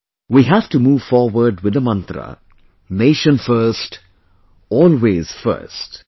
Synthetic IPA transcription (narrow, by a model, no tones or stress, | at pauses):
wiɦæʋʈumuːʋfɔːɾwəɾɖwɪd̪əmʌ̃nt̪ɾə̰ | neːʃə̃nfəɾsʈ | ɔːlweːz̥fə̰ɾsʈ